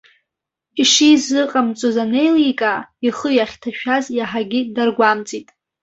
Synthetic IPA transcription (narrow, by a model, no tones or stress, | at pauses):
iʂizɨqʼamt͡sʼozane̞jlikʼaiχəjaχʲtʰaʃᶣazjaħaɡʲɪdarɡʷamt͡sʼitʼ